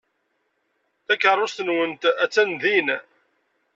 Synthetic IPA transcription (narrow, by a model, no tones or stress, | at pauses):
θækːərˤːost̪nwənt̪æt͡sːænðin